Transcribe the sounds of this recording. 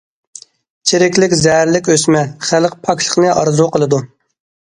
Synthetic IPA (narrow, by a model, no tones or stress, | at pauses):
t͡ʃʰeɾɪkʲlɪkʲzɛɦæɾlɪkʲøsmɛχælˠq̚pʰɑkʰʲʃʰə̥χnɨʔɑɾzɾoqʰəlˠɨd̪u